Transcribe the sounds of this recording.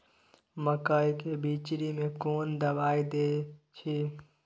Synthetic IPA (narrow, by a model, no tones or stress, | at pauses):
məkəikebiːt͡ʃɾimẽkoːnd̪əbaːid̪eːt͡ʃʰi